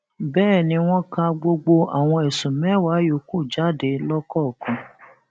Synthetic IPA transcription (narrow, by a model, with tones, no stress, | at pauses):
bɛː˦˨nĩ˧w̃ɔ̃˦kã˧ɡ͡bo˧ɡ͡bo˧a̰˨w̃ɔ̃˧ɛ˨sũ˨mɛ̃˦˨wa˨˦jo˨ku˦˨d͡ʒa˦de˨˦lɔ˦kɔ˦˨kɔ̃˧˦